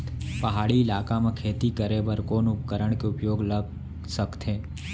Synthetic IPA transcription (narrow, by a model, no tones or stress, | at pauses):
pɐɦaːɽiɪlaːkamẽkʰeːt̪ikəɾebəɾkoːnʊp̚kəɾəɽ̃keʊpjoːɡləɡ | səkt̪eː